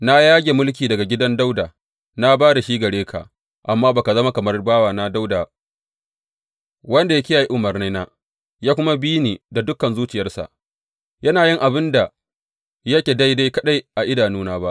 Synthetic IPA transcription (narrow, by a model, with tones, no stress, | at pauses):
na˦jaː˦ɡʲe˨mʊ˦lk̬ʲiː˨dɐ˨ɡa˨ɡʲɪ˦dɐ˦nda˦wdaː˨ | na˦baː˦da˨ʃiː˦ɡɐ˨ɽeː˦kʰa̰˨ʔ | ʔa˨mːaː˦baː˨ka˨zɐ˦ma˦kɐ˨mɐ˦rbaː˦waː˨na˦da˦wdaː˨ | wɐ˦nda˨ja˦kʲɪ˦jaː˨ji˦ʔʊ˨mɐ˨rna˦jnaː˦ | jaː˦kʷʊ˦ma˦biː˦niː˨da˨dʊ˦kːɐ˨nzuː˦t͡ʃɪ˨jɐ˦rsa̰˨ʔ | jɐ˦naː˨jɪ˦ŋʔa˨bɪ˦nda˨ | jɐ˦kʲe˨da˦jda˦jkɐ˦ɗa˦jʔa˨ʔɪ˦daː˨nuː˦naː˦ba˦ʔ